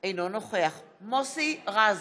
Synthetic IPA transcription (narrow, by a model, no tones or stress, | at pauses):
ejnonoχeaχ | mosiʁaz